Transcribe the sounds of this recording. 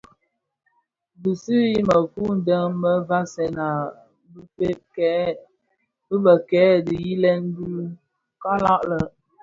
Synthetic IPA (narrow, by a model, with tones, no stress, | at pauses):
bi˨sɨ˦ji˦mə˨ku˦n̩˨də˦ŋmə˦va˦sɛ˨na˨ | bpe˦k | bə˦bə˨kɛː˨˦˨di˨ji˦lɛ˦n˦du˦ | ka˦la˦ʔlə˨